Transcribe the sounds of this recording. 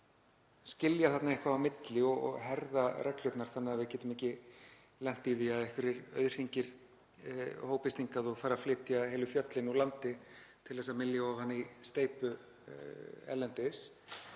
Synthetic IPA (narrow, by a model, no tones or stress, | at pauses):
scɪljaθat̪naɛhkvaawmɪt̪lɪɔɣɔ̰ɣɦɛɾðarɛklʏt̪naɾ̥θanːɪavɪðcɛːt̪ʏmɛhcɪ | lɛn̥t̪iðiaðɛhkvɪɾɪɾœ̰ɥðr̥iɲcɪɾ̥ | hoːwpɪst̪iŋkaðɔɣfaːɾaflɪːt̪jaɦeːlʏfjœt̪lɪnulant̪ɪt̪ʰɪlθɛsːamɪljaɔvhanːist̪eːjpʏ | ɛ̰lːɛnt̪ɪs